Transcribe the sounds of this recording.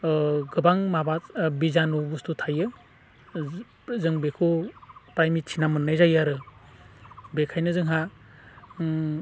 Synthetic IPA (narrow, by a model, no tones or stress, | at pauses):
ɡɯbaŋmabatbizanubustutʰajɯ | zɯŋbekʰupɾajmitt͡ʃʰinamɯnːɯjzajaɾɯ | bekʰajnɯzɯŋɦa